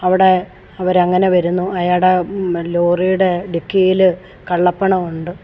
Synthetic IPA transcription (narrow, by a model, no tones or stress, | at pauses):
ɐʋiɽe̞ | ɐʋɐɾɐŋːɐne̞ʋɐɾunːuɐjaːɽeloːrijuɽe̞ɖikːijil | kɐɭːɐpːɐɳɐmuɳɖɨ